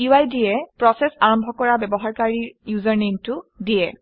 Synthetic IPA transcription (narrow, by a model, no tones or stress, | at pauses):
uajdiɛpɹɔsɛsaɹɔmbʱɔkɔɹabɛbɔɦaɹkaɹiɹjuzɔɹnejmtʊdiɛ